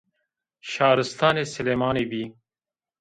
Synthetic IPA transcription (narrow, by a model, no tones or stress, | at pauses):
ɕɑːɾɪst̪ɑːnesɪlemɑːnebi